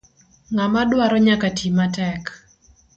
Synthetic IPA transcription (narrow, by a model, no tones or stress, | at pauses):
ŋamadwaɾɔɲakatʰimatɛk